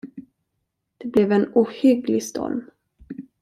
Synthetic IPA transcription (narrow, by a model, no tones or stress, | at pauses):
d̪̥ɛblɛvɛnuːhʏɡlɪst̪ʰɔ̰lm